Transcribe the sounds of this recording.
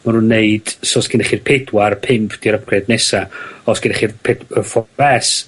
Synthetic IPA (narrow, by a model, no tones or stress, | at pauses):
manunːeɨd̥soːsɡ̥ɪnɛχirpʰɪdwaɾəpʰɪmpʰd̥iɾəpʰrɛdnesaɔsɡ̥ɪnɛχirpʰɛdəfɔɛs